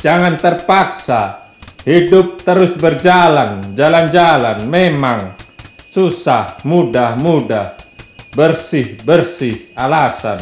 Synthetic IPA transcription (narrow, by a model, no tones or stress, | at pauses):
d͡ʒaŋant̪ərpaksa | hidʊp̚t̪əɾʊsbərd͡ʒaland͡ʒaland͡ʒalanmemaŋ | susahmudahmudah | bərsɪhbərsɪhalasa̰n